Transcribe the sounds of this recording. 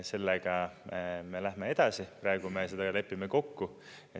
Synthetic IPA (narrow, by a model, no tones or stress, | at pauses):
se̞lːeɡ̥ɑ | me̞læɦme̞e̞d̪̥ɑsipɾɑe̞ɡ̥ume̞se̞d̪̥ɑɑle̞pːimeko̞kːu | e